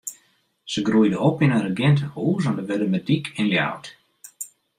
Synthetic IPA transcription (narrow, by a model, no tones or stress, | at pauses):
səɡrujdəɔpɪnəɾəɡɛntəhuːzɔndəʋɛdəmədikʰɪnlja̰wt